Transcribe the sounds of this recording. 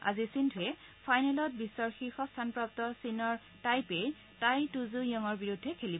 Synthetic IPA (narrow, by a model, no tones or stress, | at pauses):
a̰zisintʰuɛ | pʰajnɛlɔt̚bisɔɹxixɔstʰanpɹap̚tɔsinɔɹ | tajpe | tajtuzʊjɔŋɔɹbiɹudʱːɛkʰelibɔ